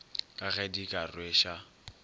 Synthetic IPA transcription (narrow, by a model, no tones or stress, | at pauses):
kʼaɣɛdikʼarweʃa